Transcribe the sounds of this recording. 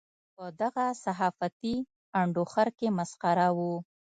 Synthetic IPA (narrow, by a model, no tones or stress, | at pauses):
pəd̪aɣasaɦɑfat̪i | aɳɖoxaɾkemasqaɾawu